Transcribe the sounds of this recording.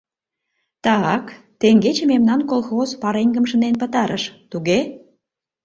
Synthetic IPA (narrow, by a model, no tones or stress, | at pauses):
t̪ɑɑk | t̪eŋɡet͡ɕememnɑnkolˠxozpɑɾeŋɡəmʃə̆nenpət̪ɑɾəʃt̪uɣe